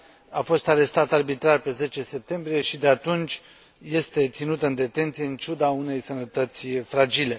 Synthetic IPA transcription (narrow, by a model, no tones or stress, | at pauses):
afo̞st̪aɾe̞st̪at̪arbit̪ɾarpe̞ze̞t͡ʃe̞se̞p̚t̪e̞mbɾije̞ʃid̪e̞at̪unt͡ʃʲ | je̞st̪e̞t̪sinut̪əɨnd̪e̞t̪e̞nt̪sijeɨnt͡ʃud̪aune̞jsənət̪ət̪sʲfɾad͡ʒile̞